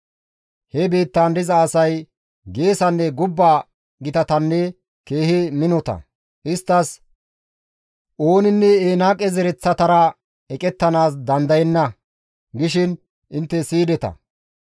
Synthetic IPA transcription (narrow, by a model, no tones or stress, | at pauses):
hɛbeːt̪ːand̪ɪzɐːsɐj | ɡe̞ːsɐnːɛɡʊbːaː | ɡɪt̪ɐt̪ɐnːɛ | ke̞ːhɪmɪnɔt̪ɐ̰ | ʔɪst̪ːɐs | ʔo̞ːnɪnːɛeːnaːkʼɛzɛɾɛt͡sːɐt̪ɐɾɐ | ɛkʼɛt̪ːɐnaːs̬d̪ɐnd̪ɐjɛnːɐ | ɡɪʃɪn | ʔɪnt̪ːɛsiːd̪ɛt̪ɐ̰